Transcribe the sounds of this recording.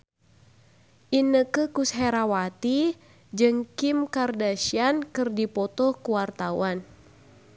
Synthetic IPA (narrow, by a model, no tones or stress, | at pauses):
ʔinəkəkusɦɛɾawat̪i | d͡ʒɨŋkimkardaʃiankɨrdipɔt̪ɔkuwart̪awan